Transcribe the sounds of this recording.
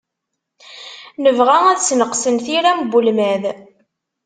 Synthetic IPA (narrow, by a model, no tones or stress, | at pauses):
nəvʁææðsnəqsənθiɾæmbulmæð